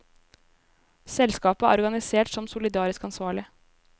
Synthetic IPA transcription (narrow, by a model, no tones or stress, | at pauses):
sɛlskɑːpəæ̰ɾɔɡɑnɪseːʈsɔmsʊlɪd̪ɑːɾɪskɑnsʋɑːɭɪ